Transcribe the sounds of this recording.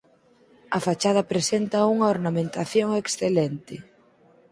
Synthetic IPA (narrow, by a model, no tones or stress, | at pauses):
ɐfat͡ʃað̞ɐpɾesent̪ɐuŋaoɾnamẽnt̪aθjoŋeksθelɛnt̪ɪ